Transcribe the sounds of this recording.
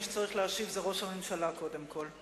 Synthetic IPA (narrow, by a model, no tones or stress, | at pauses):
ʃet͡saʁiχlehaʃivzeʁo̞ʃhamemʃalako̞de̞mkʰo̞l